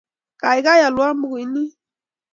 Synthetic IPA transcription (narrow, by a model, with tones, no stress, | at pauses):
ka˨i˨ɡa˦ja˨lu˨˦a˦m˦bu˨ɣi˨ni˦